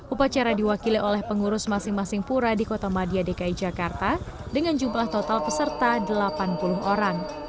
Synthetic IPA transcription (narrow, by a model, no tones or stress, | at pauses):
ʔupat͡ʃaɾadiwakiliʔolɛhpəŋuɾʊsmasɪŋmasɪŋpuɾadikot̪amadiadekaid͡ʒakart̪a | dəŋand͡ʒumlaht̪ot̪alpəsərt̪adəlapanpulʊɦoɾaŋ